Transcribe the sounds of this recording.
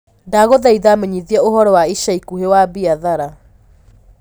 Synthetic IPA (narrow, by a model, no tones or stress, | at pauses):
daːɣoðaiðameɲiðiɛoɦɔɾɔwaiʃaikuɦewabiaðaɾa